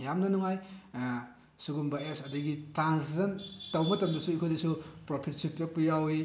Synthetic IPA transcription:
jamnɐnuŋaj | suɡumbɐepsɐdɐɡitɾanszentawmɐtɐmdɐsuikʰojdisupɾopʰit̚supjok̚pɐjawi

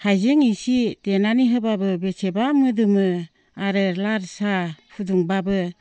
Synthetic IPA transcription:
hajzeŋisitenaniɦɯbabɯbesʰebamɯdɯmɯ | aɾɯlaɾsapʰuduŋbabɯ

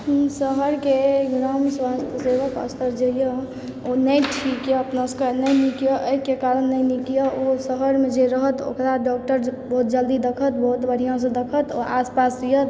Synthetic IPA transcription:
ɦsəɦəɾkeɡɾamswast̪ʰəseʋəkə̰st̪əɾd͡ʒəjə̃ | onəjʈʰikjeəpnaskənəjnikjɔʔəjkekaɾənːəjnikijaosəɦəɾmẽd͡ʒeɾəɦət̪o̰kɾaɖɔk̚ʈəɾbəɦut̪̚d͡ʒəld̪id̪əkʰət̪̚bəɦut̪bəɽ̤ijãs̬ə̃d̪əkʰət̪ɔ̰aspasijət̪

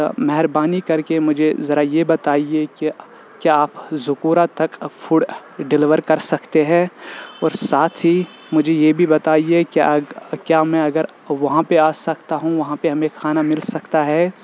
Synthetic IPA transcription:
mɛɦɾbaːnikɐɾkemʊd͡ʒʱezɐɾajebɐt̪aːieki | kjaaːpzʊkuːɾat̪ɐkfʰuːɽɖɪlɪʋəɾkɐɾsɐkt̪eɦɛ̃ːɔːɾsaːt̪ʰɦi | mʊd͡ʒʱejebʱibɐt̪aːiekḭkjaːmɛ̃ɐɡəɾ | ʋɐɦãpeaːsɐkt̪aɦũʋɐɦãpeɦɐmẽxʰaːnamɪlsɐkt̪aɦɛː

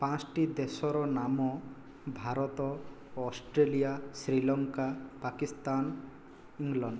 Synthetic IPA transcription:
pãt͡ʃʈid̪esɔɾɔnamɔ | bʱaɾɔt̪ɔ | ɔsʈɾelijasɾilɔŋkapakist̪an | iŋlɔɳɖ

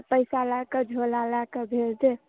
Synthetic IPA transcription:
pəɪsalakəd͡ʒʱolalakebʱeld͡ʒe

